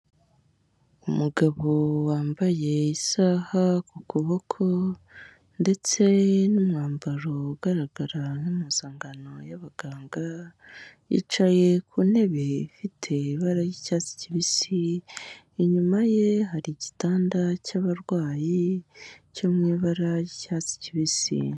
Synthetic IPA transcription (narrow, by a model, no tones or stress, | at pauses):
umuɡaβowaːmbaje̞isaːhakukuβo̞kʰo̞ | nde̞t͡se̞numŋaːmbaɾouɡ̥aɾaɡaɾanumuːzaːŋɡano̞jaβaɡ̥aːŋɡa | jḭːt͡ʃaje̞kʰune̞βe̞ifitʰe̞iβaɾajicaːt͡si̥ciβisiː | ɲumaje̞ɦaɾiɟitaːndacaβaɾwaːji | comŋiβaɾajicaːt͡si̥ciβisḭ